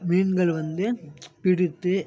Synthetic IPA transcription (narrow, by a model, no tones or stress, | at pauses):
miːɳɡɐɭʋɐnd̪ɯpɪɽɪt̪ːɯ